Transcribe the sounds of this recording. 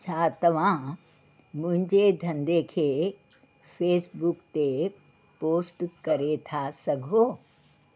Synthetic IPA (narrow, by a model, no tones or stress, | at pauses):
t͡ʃʰat̪ɐʋ̤ã | mʊ̃ɦɪ̃ɲd͡ʒed̪ʱɐ̃nd̪ekʰe | pʰeːsbukt̪e | poːsʈkɐɾet̪ʰasɐɡʱoː